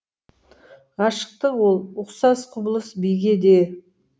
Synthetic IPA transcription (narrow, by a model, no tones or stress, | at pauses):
ʁɑʃə̥q̚t̪əwo̞lˠʊqsɑsqʰʊbəlˠəsbijɡʲe̞d̪e